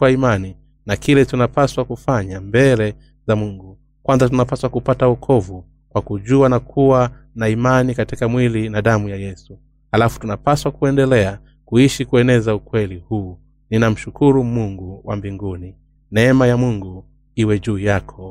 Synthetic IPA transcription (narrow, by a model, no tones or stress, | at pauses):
waimani | nakilɛtunapaswakufaɲambɛlɛ | zamuŋɡu | kwanzatunapaswakupataukʰɔvu | kwakuʄuanakʰuwanaimanikatikamwilinaɗamujajɛsu | halafu̥tunapaswakuɛndɛlɛa | kuiʃikuɛnɛzaukwɛlihuː | ninam̩ʃukʰuɾumuŋɡuwʔa̰mbiŋɡuni | nɛɛmajamuŋɡu | iwɛʄuːjakʰɔ